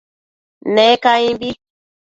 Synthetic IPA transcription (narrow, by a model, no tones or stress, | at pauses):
nekaĩbi